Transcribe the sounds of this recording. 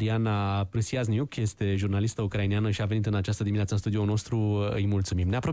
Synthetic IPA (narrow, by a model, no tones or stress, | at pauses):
ɾianapɾɨsiaznijukje̞st̪e̞ʒurnalist̪əukɾainijanəʃiave̞nit̪ɨnat͡ʃast̪əd̪iminat̪səɨnst̪ud̪iono̞st̪ɾuɨjmult̪sumimne̞apɾo̞